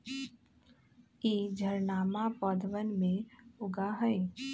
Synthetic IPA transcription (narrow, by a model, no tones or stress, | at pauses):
eːd͡ʒʱəɾnaːmapɔːd̪əʋənmẽʊɡaɦɛe